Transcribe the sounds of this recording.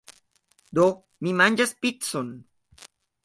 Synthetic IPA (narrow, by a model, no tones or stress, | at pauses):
d̪ok | mimand͡ʒaspit̪son